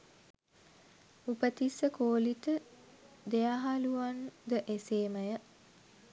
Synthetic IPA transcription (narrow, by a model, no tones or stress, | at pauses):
upət̪isəkoːlit̪ə | d̪ejaɦaluʋand̪əʔeseːməjə